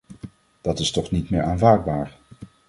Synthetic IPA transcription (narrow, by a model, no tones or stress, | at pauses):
d̥ɑtɪstɔχnitmɪːɹaːnvaːɹd̚baːɹ